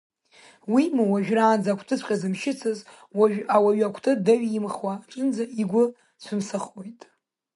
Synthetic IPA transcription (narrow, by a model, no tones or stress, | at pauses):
wimuwaʒᶣraːnd͡zakʷʰtʰɨsʷʰχʲʼazɨmʃɪt͡sʰɨz | waawaɥakʷʰtʰɨdaɥjimχwaːʈ͡ʂʼɨnd͡zaiɡʷʊ | sʷʰɨmsɨχwo̞jtʼ